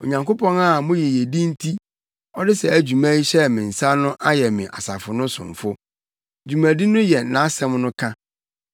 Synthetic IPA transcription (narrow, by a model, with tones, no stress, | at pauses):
o˨ɲã˨ŋko˦pʰɔ̃˦na˦˨mʊ̃˦jɛ˨jɛ˨di˦n̩˦tʰi˦ | ɔ˦dɪ˦sɛ˨æ˨d͡ʑᶣu˨mæ̃˦i˦ɕɛ˦mɪ̃˨n̩˨sa˦nʊ̃˦ʔa˦jɛ˨mɪ̃˨ʔa̰˨sa̰˨fʊ˨nʊ̃˦sʊ̰̃˨ɱ̩˨fʊ˦ | d͡ʑu˨mæ̃˨di˦nʊ̃˦jɛ˨nã˨˦sɛ̃˦mnʊ̃˦kʰã˦